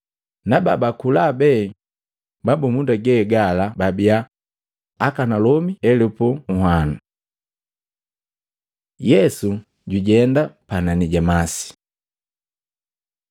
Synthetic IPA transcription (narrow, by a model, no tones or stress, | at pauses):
naba̰bakulabɛ | babɔmundaɡɛɡalababia | akanalɔmiɛlɛpɔuhwanu | jɛsu | ɟuɟɛndapananiɟamasi̥